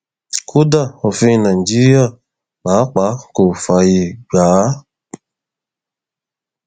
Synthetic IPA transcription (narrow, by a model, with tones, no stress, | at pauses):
kʰʊ˦da˦˨ɔ˨fi˦na˨n̩˨d͡ʒi˦ɾi˦a˦ | ba˨˦k͡pa˨˦kʊ˨fa˨ji˨ɡ͡baː˨˦